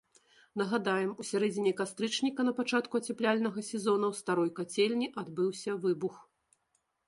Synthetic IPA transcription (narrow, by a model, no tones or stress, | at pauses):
nɐɣad̪ajɛmusʲaɾɛd͡zʲinʲɛkast̪ɾɨt͡ʂnʲikɐnɐpat͡ʂat̪kuɐt͡sʲɛplʲalʲnɐɣɐsʲɛzɔnɐwst̪aɾɔjkat͡sʲelʲnʲiʔad̪bɨwsʲɐvɨbux